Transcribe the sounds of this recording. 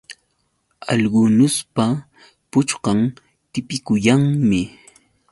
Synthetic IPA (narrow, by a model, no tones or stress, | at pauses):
ɑ̰ʎɢʊnʊspa | pʊt͡ʃqɑŋ | t̪ɪpɪkʊjaŋmɪ